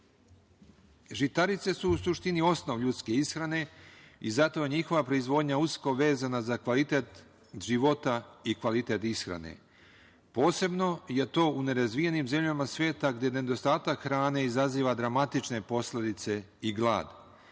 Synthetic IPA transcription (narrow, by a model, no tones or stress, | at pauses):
ʒit̪aɾit̪se̞suusuʃt̪inio̞sno̞ʋʎut̪ske̞isxɾane̞izat̪oɲixo̞ʋapɾo̞izʋo̞ːd̪ɲausko̞ʋe̞ːzanazakʋalit̪e̞ːt̪ | ʒiʋo̞t̪aikʋalit̪e̞t̪isxɾa̰nḛ | po̞ːse̞bno̞je̞t̪o̞ːune̞ɾazʋije̞niːmze̞mʎamasʋe̞ːt̪aɡd̪je̞ne̞d̪o̞st̪aːt̪akxɾaːne̞izaziːʋad̪ɾamat̪it͡ʃne̞po̞sle̞d̪it̪se̞ | iɡlˠa̰ːd̪